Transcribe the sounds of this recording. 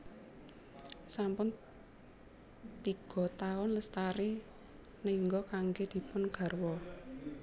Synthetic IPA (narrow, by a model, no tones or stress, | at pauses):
sampʊn | t̪iɡ̥ɔ̤t̪aʊnləst̪aɾi | niŋɡɔkaŋɡed̪̥i̤pʊnɡ̥ä̤rwɔ